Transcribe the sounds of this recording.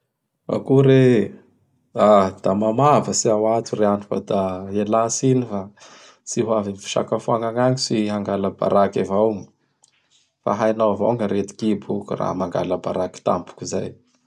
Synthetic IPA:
a̰kuɾe | ad̪̥amamavəsiawat̪ureanufa̰d̪aelasinifa | siɦuavinifi̥ʃa̰kafuaŋaŋaŋisiɦaŋɡaləba̰ɾakavawŋ | fa̰ɦajnaava̰wŋəɾet̪i̥kibukura̰maŋɡa̰ləbaɾaki̥t̪a̰mpu̥kiza̰j

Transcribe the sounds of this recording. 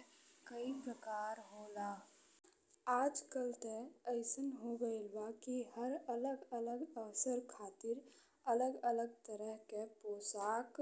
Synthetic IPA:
kəipɾəkaːɾɦoːlaː | aːd͡ʒkəlt̪eəɪsənɦoɡəɪlbakihəɾələɡələɡəʋsəɾkʰaːt̪ɪɾ | ələɡələɡ̚t̪əɾəɦkepoːsaːk

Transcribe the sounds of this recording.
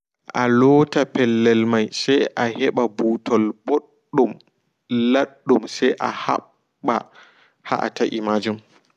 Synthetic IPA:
ʔalɔːtapɛlːɛlmajsajʔahɛɓabuːtʰɔlboɗːum | laɗːumsajʔa̰ha̰ː | a | ha̰ʔa̰taʔimad͡ʒum

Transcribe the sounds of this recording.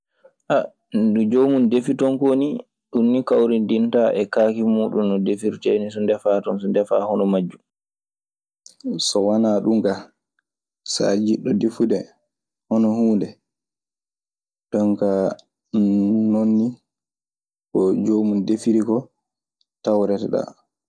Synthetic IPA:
ʔa | dud͡ʒomundefitɔnkoni | ɗunːikawɾindintaʔɛkaːkimuːɗumːɔdefiɾtɛnisɔndɛfatɔnsɔndɛfa̰hɔnɔmad͡ʒːu | sɔwanaːɗuŋka | sa̰d͡ʒiɗːɔdefudɛ | hɔnɔhuːndɛ | ɗɔŋka | nonːi | kɔd͡ʒomundefiɾikɔ | tawɾɛtɛɗa̰

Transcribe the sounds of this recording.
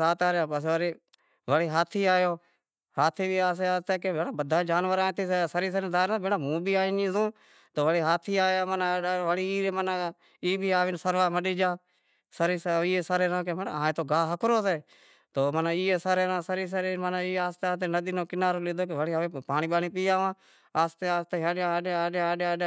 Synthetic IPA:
aːt̪aːɾjaːəsʋəɾeː | ʋəɽiːɦaːt̪ʰiːaːjoː | haːt̪ʰiːbiːaːs̬eːaːst̪eːkebeːɽaːbəd̪ʱaːd͡ʒaːnʋəɾãːt̪ʰiːseːsəɾiːs̬əɾed̪aːɾãbɪɽãːmũːbʱiːaːɪnd͡ʒiːzõː | t̪oːʋəɽiːɦaːt̪ʰiːaːjaːmənaʋəɽiːiːɾeːmənaː | iːbʱiːaːʋɪnsəɾʋaːməɗiːd͡ʒaː | səɾiːsiːeːsaːɾeːɾãːkemənːaːẽːt̪oːɡaːɦəkɾoːseː | t̪oːmənãːiːeːsaːɾeːɾãːsəɾiːs̬əɾeːmənaiːaːst̪eːaːt̪eːnəd̪iːnõːkɪnaːɾoːlɪd̪oːkeʋəɽiːəʋẽːpaːnĩːɓaːniːpiːjaːʋãː | aːst̪eːaːst̪eːɦãːɗaːɗeːeːɗe

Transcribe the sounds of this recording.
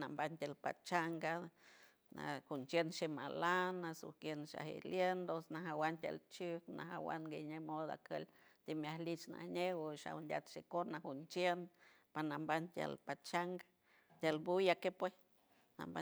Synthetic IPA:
nambant̪ʲelpa̰t͡ʃaŋɡa | nahunt͡ʃenʃema̰lanːasuhkjenʃa̰hḛljend̪osnaɦawant̪ʲa̰lt͡ʃuknaɦawa̰nɡeɲemod̪a̰kə̰lt̪imjahlit͡ʃna̰hnewəʃa̰wndʲa̰t̪ʃekonahunt͡ʃen | panambant̪ʲja̰lpat͡ʃaŋɡa | t̪ʲalbujakepwes | na̰mba

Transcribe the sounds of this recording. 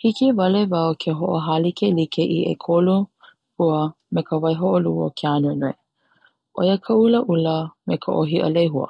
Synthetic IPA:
hikivɐlevɐwkʰeɦoʔoɦalikʰelikʰeʔiʔḛkʰolu | puə | mekʰəvɐjɦoʔoluo̰kʰeanonoj | ʔo̰jəkʰəuləʔuləmekʰəʔoɦiʔə̰lejɦuə̰

